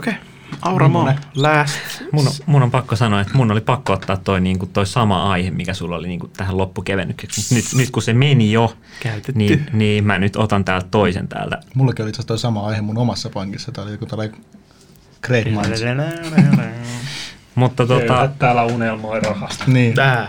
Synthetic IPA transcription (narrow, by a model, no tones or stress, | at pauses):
oke | ɑurɑmoːlæːsmunomunompɑkːosɑnoɑet̪munːolipɑkːoot̪ːɑːt̪toiniːŋkutt̪oisɑmɑɑihemmikæsulːoliniːŋkut̪æhællopːukeʋenːykseksmut̪nyt̪nyt̪kusemenijo | kæyt̪etniniːmænyt̪ot̪ɑnt̪æːlt̪t̪oisḛnt̪æ̰ːlt̪æ̰mulːɑkiolit̪ɑst̪oisɑmɑɑihemunomɑsːɑpɑŋkisːɑt̪æolikut̪ælːɑi | kreːtmɑi | mut̪ːɑt̪oɑtt̪æːlæunelmoirɑhɑst̪niː